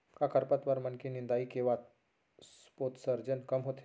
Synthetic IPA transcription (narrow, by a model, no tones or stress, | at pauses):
kãkʰəɾpət̪ʋəɾmənkenind̪aikeʋat̪̚ | s | pot̪səɾd͡ʒənkəmɦot̪ʰe